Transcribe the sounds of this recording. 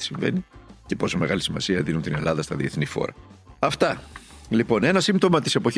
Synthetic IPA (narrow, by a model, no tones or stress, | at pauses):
siɱvḛnicepo̞some̞ɣɐlisimɐ̰siɐðinunt̪ine̞̰lɐðɐst̪ɐðieθnixo̞̰ɾɐ̰ɐft̪ɐlipo̞ne̞nɐsimt̪o̞mɐt̪i̥se̞po̞ç